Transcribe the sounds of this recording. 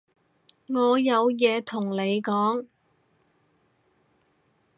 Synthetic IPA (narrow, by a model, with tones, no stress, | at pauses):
ŋɔː˨˧jɐ˨˧wjɛː˨˧t̪ʰʊ˨˩ŋle˨˧jkɔː˨˥ŋ